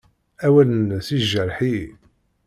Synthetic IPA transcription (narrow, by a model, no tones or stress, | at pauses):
æwænθiʒːəɾħi